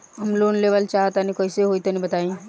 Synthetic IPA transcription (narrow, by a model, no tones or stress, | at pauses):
ɐmloːnleːʋəlt͡ʃaːɦt̪anĩkoiseɦoːit̪onĩbət̪aːĩ